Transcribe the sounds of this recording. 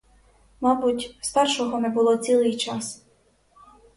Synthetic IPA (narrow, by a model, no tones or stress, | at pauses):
mɑbutʲst̪ɑrʃɔɦɔnɛbʊlˠɔt͡sʲilˠɪjt͡ʃɑs